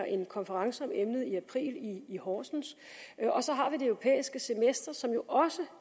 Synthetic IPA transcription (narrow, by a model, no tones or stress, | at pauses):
ɐʔe̝nkʰɒnfəʁɑ̈ŋsəɒ̽memnəð̩ˠiæpʰʁḭːliːhɒːsn̩s | ɒ̽sɒ̽ɦɑ̈ʋid̥e̝œʊʁo̝pʰḛːisɡ̥əse̝mesd̥ɐsɒ̽mjo̝ʔɒ̽sə